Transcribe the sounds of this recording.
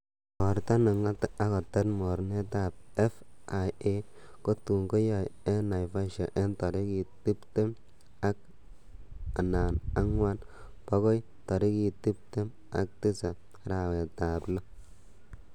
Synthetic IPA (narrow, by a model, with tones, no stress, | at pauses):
mɔ˨ɾta˦na˨ŋa˦ta˦kɔ˨tɛ˦tmɔ˨ɾne˦ta˦˨b̚ɛ˦fʔa˨je˦ | ko˦tu˨ŋɡo˦ja˨jɛ˦na˨jfa˦ʃa˨ʔe˦ntɔ˨ɾɪ˦ki˨tɪ˦pte˦m | a˦k̚ | a˨na˨na˦ŋwa˦n | pɔ˦ɡɔ˦j | tɔ˨ɾɪ˦ki˨ti˦p̚te˦m | a̰˨k̚tɪ˦sa˨˦ | ɾa˨we˨taː˨blɔ˦